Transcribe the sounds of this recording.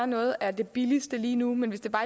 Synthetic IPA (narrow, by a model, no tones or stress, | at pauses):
nɔ̽ːð̞̩ˠæɐd̥e̝b̥ilisd̥əliːnumenʋesd̥e̝b̥ɑ̈ː